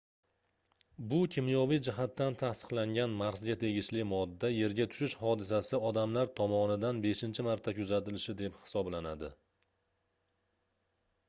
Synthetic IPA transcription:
bʊkʲʰɪmjɒvijd͡ʒɪɦat̪ːant̪ʰasɨ̥qlaŋɡʲanmaɾzɡʲat̪ʰe̞ɡʲɪʃlɪmɒd̪ːaje̞ɾɡʲat̪ʰʊ̥ʃɪʃhɒd̪ɪsasɪɒd̪amlaɾt̪ʰɒmɒnɪd̪anbe̞ʃɪnt͡ʃʰɪmaɾt̪ʰːakʲʰʊzat̪ɪlɪʃɪd̪e̞phɪ̥sɒblanad̪ɪ̰

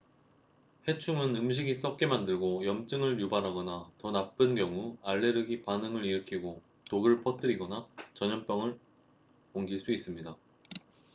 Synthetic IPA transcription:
he̞t͡ɕʰuŋɯnɯmɕ̬ʰiɡis͈ʌk̚k͈e̞mandɯɭɡojʌmt͡ɕ͈ɯŋɯɭjubanɦaɡʌnatʌnap͈ɯnɡjʌŋuaɭːe̞ɾɯɡipanɯŋɯɾiɾɯkʰiɡo | toɡɯɭpʰʌt͈ɯɾiɡʌnat͡ɕʌɲʌmp͈jʌŋɯɭ | koŋɡiɭs͈uis͈ɯmɲida

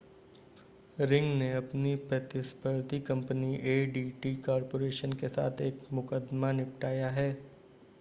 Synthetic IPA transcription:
ɾɪ̃ŋɡneɐpnipɾət̪ɪspəɾt̪ikɐ̃mpniʔeːɖiːʈiːkɔːɾpoːɾeːʃənkesa̰ːt̪ʰeːkmʊkəd̪manɪpʈaːjaɦɛː

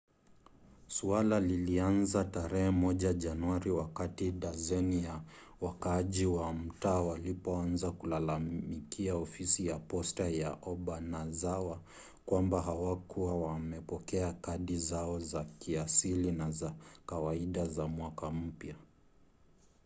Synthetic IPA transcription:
sualalilianzataɾɛhɛmɔʄaʄanuwaɾiwakatiɗazɛnijawakaʄiwam̩taːwalipɔanzakulalamikiaɔfisijapɔstajaʔɔɓanazawa | kwambaɦawakuwawamɛpɔkɛakaɗizaɔzakiasilinazakawaiɗazamwakam̩pja

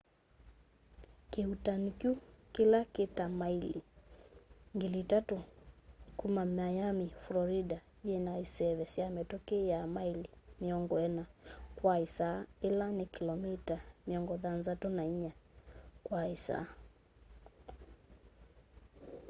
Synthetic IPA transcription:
kiutanikjukilakɛtamaili | ŋɡilitatu | kumamajamiflɔɾida | jɛnaisɛβɛsiamɛtɔkɛjamailimiɔŋɡɔɛnakwaisaɛlanikilɔmitamiɔŋɡɔðanzatunaiɲakwaisa̰

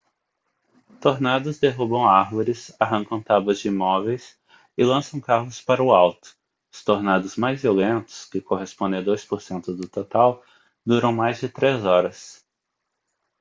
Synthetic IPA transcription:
t̪oɾnad̪ʊzd̪eɦubɐ̃w̃aɾvoɾɪsaɦɐ̃ŋkɐ̃w̃t̪abɐzd͡ʒɪimɔvejs | ɪlɐ̃sɐ̃w̃kaɦʊspaɾɐʊawt̪ʊ̥ | ʊst̪oɾnad̪ʊzmajzviolẽnt̪ʊ̥skɪkoɦespõnd̪ẽad̪ojspoɾsẽnt̪ʊd̪ʊt̪ot̪aw | d̪uɾɐ̃w̃majzd͡ʒɪt̪ɾezɔɾɐs

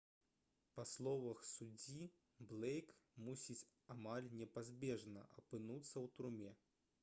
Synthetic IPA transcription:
paslˠɔvɐxsud͡zʲi | blˠɛjkmusʲit͡sʲ | amalʲnʲɛpazʲbʲɛʐnɐ̰ʔɐpɨnut̪sːɐwt̪uɾumʲɛ

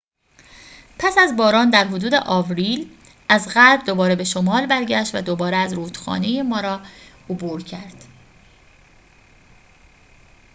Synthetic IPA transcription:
pʰæsæzbɒːɾɒːnd̪æɾɦod̪uːd̪e̞̰ʔɒːvɾiːl | ʔæzɣælbd̪obɒːɾe̞be̞ʃo̞mɒːlbæɾɟæʃt̪væ̰d̪obɒːɾeæzɾuːd̪̥xɒ̰ːnejemɒːɾɒː | obuːɾcʰæɾd̪̥

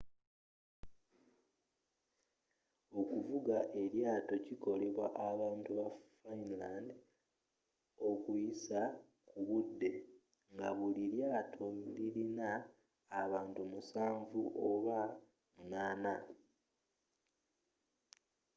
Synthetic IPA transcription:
o̞kuvuɡaʔe̞ɾjaːto̞ciko̞le̞βwa̰ʔaβaːntuβafainlaːnd | o̞kujisa | kuβudːe̞ | ŋɡaβuliɾjaːtʰo̞liɾinaː | βaːntumusaːɱvuʔoβa | munaːna

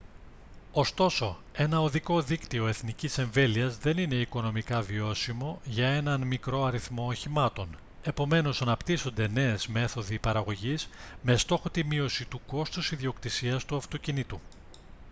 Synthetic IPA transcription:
o̞st̪o̞so̞e̞nɐoðiko̞ðikt̪io̞e̞θnicise̞ɱve̞liɐzðe̞nine̞iko̞no̞mikɐvio̞simo̞ʝɐe̞nɐnmikɾo̞ɐɾiθmo̞ːçimɐt̪o̞n | e̞po̞me̞no̞sɐnɐpt̪iso̞nd̪e̞ne̞ːzme̞θo̞ðipɐɾɐɣo̞ʝizme̞st̪o̞xo̞t̪imio̞sit̪uko̞st̪usiðio̞kt̪isiɐst̪uɐft̪o̞cinit̪u

